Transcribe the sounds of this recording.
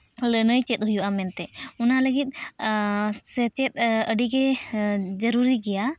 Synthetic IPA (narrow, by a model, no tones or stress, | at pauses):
lənəjt͡ʃɛt̪̚ɦujuʔamɛnt̪ɛunaləɡit̪̚ˀ | sɛt͡ʃɛt̪̚əɖiɡɛ | d͡ʒəɾuɾiɡɛja